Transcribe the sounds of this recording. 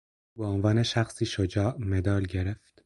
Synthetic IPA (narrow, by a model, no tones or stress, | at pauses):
beonvɒːneʃæxsiːʃod͡ʒɒːʔmed̪ɒːlɟe̞ɾeft̪